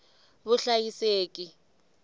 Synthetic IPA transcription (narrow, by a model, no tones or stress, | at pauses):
βʊɬajiseːkʼi